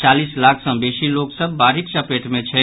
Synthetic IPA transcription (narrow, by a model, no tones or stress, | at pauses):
t͡ʃalislakʰsə̃besiloksəbːaɾiksəpeʈmet͡ʃʰɛ